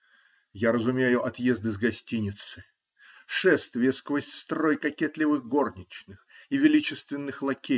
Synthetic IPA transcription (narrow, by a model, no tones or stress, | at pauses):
jaɾəzʊmʲejʊʔɐt̪jezd̪ɨzɡɐsʲtʲinʲɪt̪sɨ | ʂɛst̪vʲɪskvəsʲtʲst̪ɾo̞jkɐkʲet̪lʲɪvɨɣɡo̞rnʲɪt͡ɕnɨxivʲɪlʲit͡ɕɪst̪vʲɪnːɨxlˠɐkʲe